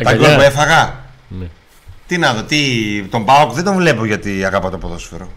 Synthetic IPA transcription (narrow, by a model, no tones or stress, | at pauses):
t̪ɐolpue̞fɐɣɐ | t̪inɐðot̪it̪o̞mbɐokðend̪oɱvle̞poʝɐt̪iɐɣɐpɐt̪opoðo̞sfeɾo